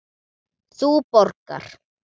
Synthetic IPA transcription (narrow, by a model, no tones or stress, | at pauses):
supoɾka̰ɾ